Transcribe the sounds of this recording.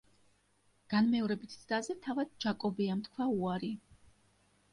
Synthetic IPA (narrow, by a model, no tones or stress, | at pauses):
ɡ̥anmɛɔɾɛbit̪ʰd̪azɛt̪ʰavad̪̚d͡ʒakʼɔbiamt̪ʰkʰwauaɾi